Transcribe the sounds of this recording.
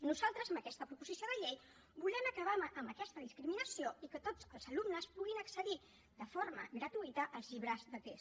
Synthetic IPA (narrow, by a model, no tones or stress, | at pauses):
nuzalˠt̪ɾəzəmbəkɛst̪əpɾupuzisijoðəʎej | bulɛməkəβ̞aməmbəkɛst̪əðiskɾiminəsioikət̪od͡zəlˠzəlumnəspuɣinəksəði | d̪əfoɾmə̰ɣɾət̪uit̪əʔəlˠzʎiβɾazðət̪es